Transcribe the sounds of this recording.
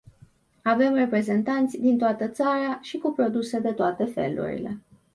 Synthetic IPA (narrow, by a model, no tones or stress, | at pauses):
ave̞mre̞pɾe̞ze̞nt̪ant̪sʲd̪int̪oat̪ət̪saɾaʃikupɾo̞d̪use̞d̪e̞t̪oat̪e̞fe̞̰lṵɾḭle̞̰